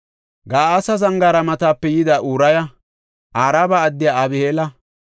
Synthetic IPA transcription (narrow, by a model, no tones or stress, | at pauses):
ɡaːɐsɐzɐŋɡaːɾɐmɐt̪aːpːɛjɪd̪aːʔuːɾɐjɐ | ʔaːɾaːbaːd̪ːɪjaɐbɪheːlɐ